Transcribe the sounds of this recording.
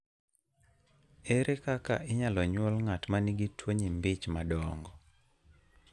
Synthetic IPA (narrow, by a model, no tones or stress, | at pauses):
eɾʔekaka̰ʔɪɲalɔɲwɔlŋatmaniɡitwoɲimbɪt͡ʃmadɔŋɡɔ